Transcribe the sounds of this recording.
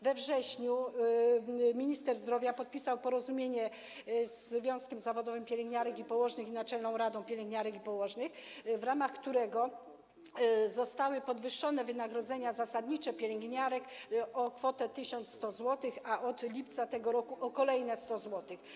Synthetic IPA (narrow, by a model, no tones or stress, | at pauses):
vɛvʐɛɕɲu | mʲiɲist̪ɛɾzd̪ɾɔvʲjapɔt̪̚pʲisawpɔɾɔzumʲjeɲɛ | zvʲjɔ̃skʲɛmzavɔd̪ɔvɘmpʲjelʲɛŋɡɲaɾɛkipɔwɔʐnɘxinat͡ʂɛlnɔ̃w̃ɾad̪ɔ̃w̃pʲelʲɛŋɡɲaɾɛkipɔwɔʐnɘxvɾamaxkt̪uɾɛɡɔ | zɔst̪awɘpɔd̪vɘʂːɔnɛvɘnaɡɾɔd̪zɛɲazasad̪ɲit͡ʂɛpʲjelʲɛŋɡɲaɾɛkɔkfɔt̪ɛt̪ɘɕɔnt̪sst̪ɔzwɔt̪ɘxaʔɔd̪lʲipt̪sat̪ɛɡɔɾɔkuʔɔkɔlɛjnɛst̪ɔzwɔt̪ɘx